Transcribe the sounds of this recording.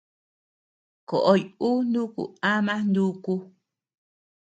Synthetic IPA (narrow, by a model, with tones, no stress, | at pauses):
ko˨ʔo˦ju˦nd̪u˦kṵ˨a˦mã˦nd̪u˦ku˦